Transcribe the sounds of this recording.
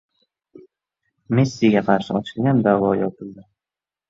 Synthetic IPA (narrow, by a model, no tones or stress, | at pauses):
mesːiɡʲaqʰɑɾʃɪɒt͡ʃʰɪlɡʲand̪avɒjɒpʰɪld̪ɪ